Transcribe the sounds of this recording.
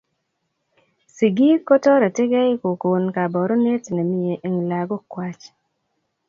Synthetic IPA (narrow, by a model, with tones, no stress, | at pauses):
si˨ɡi˦kːɔ˦tɔ˦ɾɛ˨tɪ˦ɡɛ˦ɪ˦ko˨ko˨nka˨bɔ˨ɾɔ˦ne˦tnɛ˨mi˨e˨ʔe˨ŋla˨ɡɔ˦kwa˦t͡ʃ